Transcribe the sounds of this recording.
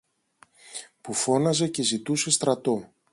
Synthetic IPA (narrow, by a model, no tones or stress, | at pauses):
pufo̞nɐze̞ce̞zit̪use̞st̪ɾɐt̪o̞